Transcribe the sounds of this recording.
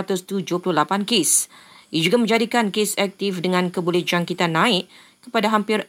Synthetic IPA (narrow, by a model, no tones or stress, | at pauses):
t̪ʊst̪ud͡ʒuəpulʊhlapankesʔiad͡ʒuɡamə̃ɲd͡ʒadikankesɛk̚t̪ɪfdəŋãnkəbulɛhd͡ʒaŋkit̪anãɪʔ | kəpadaɦampɪr